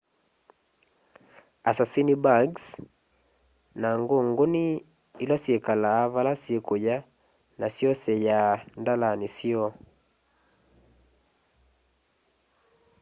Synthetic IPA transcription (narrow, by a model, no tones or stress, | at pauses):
asasinibaɡs | naŋɡoŋɡoni | ilasjekalaːβalasjekoja | nasjɔsɛjandalanisiɔ